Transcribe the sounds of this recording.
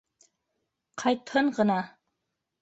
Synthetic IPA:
qʰɑjt̪hɤɴɢɤ̆nɑ

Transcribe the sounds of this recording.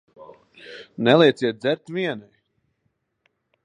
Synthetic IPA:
nɛlˠɛjt̪sʲiɛt̪̚d̪zɛɾt̪ʲviɛnaj

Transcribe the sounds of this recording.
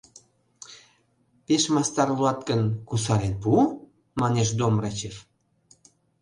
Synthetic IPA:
peʃmɑst̪ɑrluɑt̪̚kənkusɑɾenpu | mɑneʃ̬d̪omrɑt͡ɕef

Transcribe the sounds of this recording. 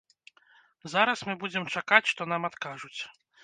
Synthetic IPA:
zaɾɐsmɨbud͡zʲɛmt͡ʂakat͡sʲʂt̪ɔnamat̪kaʐut͡sʲ

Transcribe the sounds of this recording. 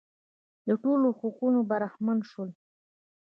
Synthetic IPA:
d̪əʈoloxoqunobaɾaxmanʃəl

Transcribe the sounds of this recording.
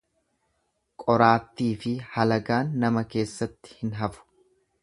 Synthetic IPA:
kʼɔɾaːt̪ːiːfɪhɐlɐɡaːnːɐmɐke̞ːsːɐt̪ːɪ̥hɪnɦɐfʊ̥

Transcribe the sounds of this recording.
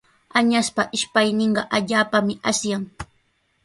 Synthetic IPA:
aɲaspaʔɪʃpajnɪɴɢɑʔaʎaːpamɪʔasjaŋ

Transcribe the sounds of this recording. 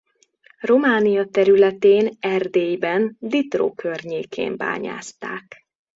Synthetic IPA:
ro̞maːnijɒt̪ɛɾylɛt̪eːnɛrd̪eːjbɛnd̪it̪ro̰ːkʰørɲeːkʰḛːmba̰ːɲa̰ːst̪a̰ːk

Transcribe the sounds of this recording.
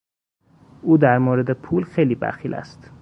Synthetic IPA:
uːd̪æɾmoːɾed̪epʰuːlxejliːbæ̰xiːlʔæ̰st̪

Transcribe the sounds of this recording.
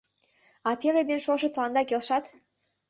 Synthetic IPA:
ɑt̪eled̪enʃoʃə̆t̪lˠɑnd̪ɑkelʃɑt̪

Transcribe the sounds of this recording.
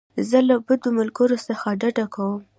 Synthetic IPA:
zəlabəd̪omʊlɡəɾosəxaɖaɖakawəm

